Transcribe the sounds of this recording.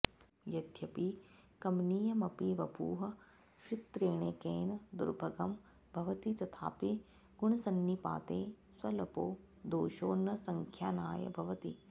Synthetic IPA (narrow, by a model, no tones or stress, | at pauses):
jɐd̪ʱjɐpikɐmniːjɐmɐpiʋɐbuːɦɐ̆ | ʃit̪ɾeːɳekeːnɐd̪ṵɾbʱɐɡɐm | bʱɐʋɐt̪it̪ɐt̪ʰa̰ːpi | ɡuɳɐsɐnːipa̰ːt̪eː | swɐlɐpoː | d̪oːʃoːnːɐsɐŋkʰjaːnaːjɐ̰bʱɐʋɐt̪ḭ